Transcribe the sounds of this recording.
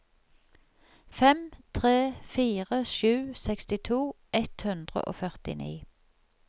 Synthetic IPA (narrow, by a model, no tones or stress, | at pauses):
fɛmt̪ʰʁeːfiːʁəʃʉːsɛkst̪ɪt̪ʰuː | ʔɛt̪hʉnd̪ʁə̰ʔo̰ːfœʁt̪ɪ̰nḭː